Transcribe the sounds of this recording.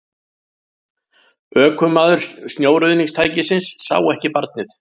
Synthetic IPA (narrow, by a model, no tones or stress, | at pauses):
œːkʏmːaːðʏɾ̥st̪njoːwɾʏðniŋst̪ʰaːjcɪsɪnsːa̰ːwɛhcɪpaɾt̪̚nɪθ